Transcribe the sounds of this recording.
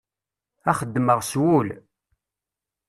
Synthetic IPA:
æχəd̪ːməʁswul

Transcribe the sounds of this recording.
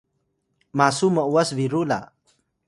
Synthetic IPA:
masuməwəswiɾula̰

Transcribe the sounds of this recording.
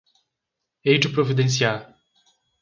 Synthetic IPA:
ejd͡ʒupɾovid̪ẽns̬ia

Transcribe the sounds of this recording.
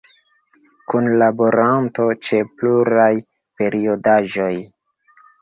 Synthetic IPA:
kunlabo̞ɾanto̞t͡ʃe̞pluɾaj | pe̞ɾio̞daʒo̞j

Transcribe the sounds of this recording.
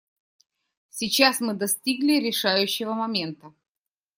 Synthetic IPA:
sʲit͡ɕasmɨd̪ɐsʲtʲiɡlʲɪɾʲɪʂajʉɕːɪvəmɐmʲe̞nt̪ə

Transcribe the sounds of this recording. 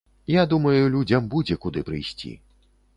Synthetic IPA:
jad̪umɐjulʲud͡zʲɐmbud͡zʲɛkud̪ɨpɾɨjsʲt͡sʲḭ

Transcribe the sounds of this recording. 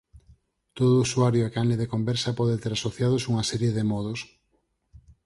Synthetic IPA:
t̪oðʊuswaɾjoakanleðekombɛɾsɐpɔð̞et̪eɾasoθjað̞osuŋasɛɾjeðemɔðos

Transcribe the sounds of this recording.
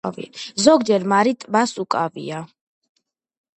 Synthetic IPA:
ḭzɔɡd͡ʒɛɾmaɾit̪ʼbasukʼavḭa

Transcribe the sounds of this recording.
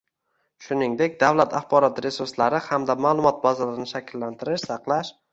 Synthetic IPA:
ʃʊnɪŋd̪ekʲd̪awlat̪ʰaχbɒɾɒt̪ɾe̞suɾslaɾɪhamd̪amaːlˠʊmɒt̪̚bazalaɪnɪʃakʲʰɪlːant̪ʰɪɾɪʃsɑqlˠaʃ

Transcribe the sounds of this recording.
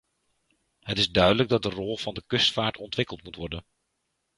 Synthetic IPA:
hətɪzdœɥdələɡ̚dɑt̚dərɔlˠv̥ɑndəkʏstfaːɹtʰɔntʋɪkəlˠtmutʋɔɹdən

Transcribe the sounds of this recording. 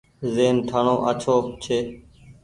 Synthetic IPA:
zeːnʈʰaɳõːʔət͡ʃʰoːt͡ʃʰeː

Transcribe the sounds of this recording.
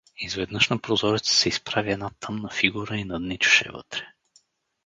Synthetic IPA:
izvɛd̪nɤʃnɐpɾozɔɾɛt̪sə̥sɛispɾaviɛd̪nat̪ʰɤmnɐfiɡuɾəinɐd̪nit͡ʃu̥ʃɛ̰vɤ̰t̪ɾɛ̥

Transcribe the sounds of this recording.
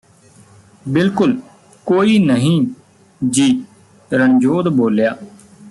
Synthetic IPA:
bɪlkʊl | koːiːnəɦĩː | d͡ʒiː | ɾəɳd͡ʒoːd̪boːljaː

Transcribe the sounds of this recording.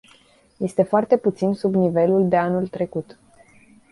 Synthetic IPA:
je̞st̪e̞foart̪e̞put̪sinsubnive̞luld̪e̞anult̪ɾe̞kut̪

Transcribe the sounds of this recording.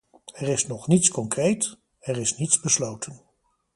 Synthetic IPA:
ɛrɪsnɔχnitskɔŋkrejt | ɛrɪsnitzbəslowtʰən

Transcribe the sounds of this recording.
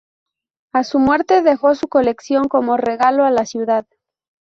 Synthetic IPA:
asumwe̞ɾt̪e̞ðe̞xo̞suko̞le̞ksjo̞ŋko̞mo̞re̞ɣalo̞alasjuðað

